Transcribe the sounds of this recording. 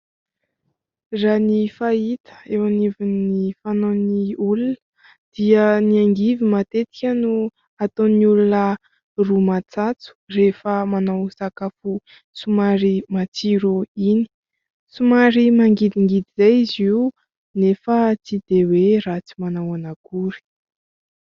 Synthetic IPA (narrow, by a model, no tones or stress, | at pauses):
ranifait̪ə̥ewanivunifanoniulunə̥ | d̪̥iəniaŋɡivimat̪et̪i̥kʲənu | at̪onulunə | rumat͡sat͡su̥refəmanawsakafu | sumaɾimat͡siɾuini̥ | sumaɾimaŋɡid̪iŋɡid̪izajizi | nefət͡sid̪̥eweɾat͡si̥manawanaɡuɾi̥